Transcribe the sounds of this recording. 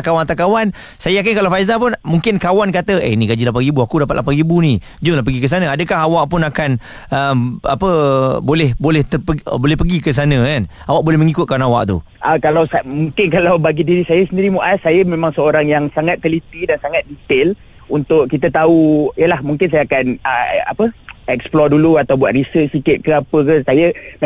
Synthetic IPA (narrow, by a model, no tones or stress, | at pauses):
kawanat̪akawan | sajəjak̬ɪnkalafajzap̬ʊnmuŋkɪnkawankat̪əḛnĩɡad͡ʒilap̬aibuakudap̬at̪̚la̰paɡibunĩ | d͡ʒʊnlahp̬əɡikəs̬anãadəkaɦawaʔpʊnakan | əma̰pəbolɛhbolɛht̪əpəbolɛhpəɡikəs̬anə̃kan | awaʔbolɛhməŋikʊt̪̚kanawa̰ʔt̪ṵ | ʔəkalawsamuŋkɪnkalawbaɡidiɾisajəsəndiɾimuʔasajəmẽmãŋsəoɾaŋjaŋsaŋat̪ːəlit̪idansaŋat̪̚dit̪ɪl | unt̪ʊʔkit̪ət̪auijəlahmuŋkɪns̬ajaakanəa̰pəɛksplɔduluat̪awbuat̪̚ɾisət͡ʃsikɪt̪̚kəapəkəsajə